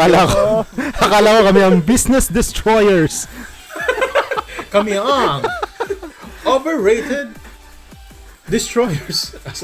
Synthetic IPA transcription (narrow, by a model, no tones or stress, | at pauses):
alakohɐkaːlakokɐmɛɐŋbisnɛsd̪ɪst̪ɹɔjɛɹs | kɐmiaŋ | ɔbɛɹɹejt̪ɛd̪̚ | d̪ɪst̪ɹɔjɛɹs